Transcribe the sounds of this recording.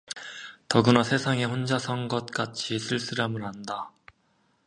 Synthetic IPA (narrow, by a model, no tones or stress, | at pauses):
tʌɡɯnasʰe̞sʰaŋe̞ɸond͡ʑasʰʌŋɡʌt̚k͈at͡ɕʰisʰɯɭs͈ɯɾamɯɭɦanda